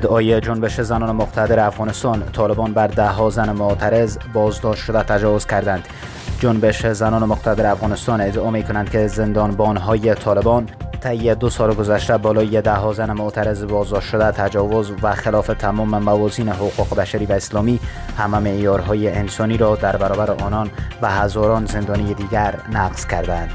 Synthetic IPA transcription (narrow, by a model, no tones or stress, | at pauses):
ed̪ʔɒːjed͡ʒonbeʃezænɒːnemoqt̪ʰæd̪eɾeafɣɒːnest̪ɒnt̪ʰɒlebɒnbæɾd̪æɦɒzænemot̪ʰæɾezbɒzd̪ɒʃt̪ʃod̪æt̪ʰæd͡ʒɒvoz̥kʲʰæɾd̪ænd̪ | d͡ʒonbeʃezænɒːnemoqt̪ʰad̪eɾeæfɣɒːnest̪ɒned̪eɒːmekʰonænd̪̥̚kʰezend̪ɒnbɒnɦɒːjet̪ʰɒːlebɒnt̪ʰæjːed̪osɒlɡozæʃt̪æbɒːlɒːjed̪æɦɒzænemoʔt̪ʰæɾezbɒzd̪ɒʃt̪ʃod̪æt̪ʰæd͡ʒɒvozvæxelɒːfet̪ʰæmɒːmemævɒziːneɦoquqebæʃæɾiːvæeslɒːmihæmæmeʔjɒɾɦɒːjeensɒniɾɒd̪æɾbæɾɒːbæɾeʔɒːnɒnbæhazɒɾɒnzend̪ɒːnijed̪iːɡʲæɾnæqz̥kʰʲæɾd̪ænd̪̥